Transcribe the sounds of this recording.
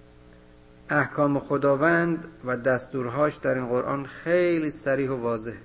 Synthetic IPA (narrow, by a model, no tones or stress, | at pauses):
ʔæhkʰɒːmexod̪ɒːvænd̪væd̪æst̪uːɾɦɒːʃd̪æɾiːnɢoɾʔɒ̰ːnxejliːsæɾiːhovɒːze̞h